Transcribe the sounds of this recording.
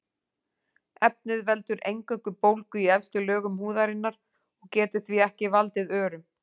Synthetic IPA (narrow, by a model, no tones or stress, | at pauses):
ɛp̚nɪðvɛl̪t̪ʏɾʔejŋkœkʏpowlkʏiɛfst̪lʏlœːɣʏmhuːðaɾɪnːaɾ̥ | ɔɣcɛːt̪ʏ̥θviɛhcɪvalt̪ɪðœːɾʏm